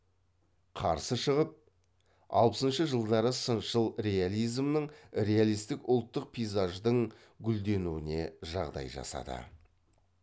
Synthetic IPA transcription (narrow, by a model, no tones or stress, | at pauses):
qʰɑ̰ɾsəʃəʁəp̚ | ɑ̰lˠpəsənʃəʒəlˠd̪ɑɾəsənʃəlˠɾe̞alʲˠijzmnəɴɾe̞alˠijst̪ɪkʊlˠt̪ːəq̚pʰijzaʒd̪əɴ | ɡʲʏld̪e̞nuɪne̞̰ʒɑʁd̪ɑ̰jʒɑ̰sɑ̰d̪ə̰